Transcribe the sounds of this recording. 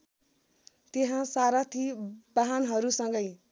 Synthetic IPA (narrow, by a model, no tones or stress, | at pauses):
t̪eɦãsaɾʌt̪ʰibaɦanɦʌɾusʌŋɡʌj